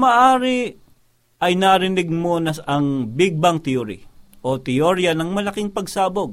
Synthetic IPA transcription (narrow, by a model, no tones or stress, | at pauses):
maʔaːɾɪ | ʔɐjnaɾɪnɪɡ̚monɐɐŋbɪɡ̚bɐŋt̪ɪoɾɪ̰ʔot̪ɪjoɾjɐnɐŋmɐlɐkɪŋpɐɡsaːboɡ̚